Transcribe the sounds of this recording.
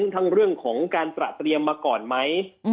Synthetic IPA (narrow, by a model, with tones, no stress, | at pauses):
ŋt̪ʰa˦˥ŋɾɯ˥˩əŋkʰɔː˩˦ŋkaː˧nt̪ɾa̰˨˩ʔt̪ɾi˧əmːaː˧kɔː˨˩nma˦˥j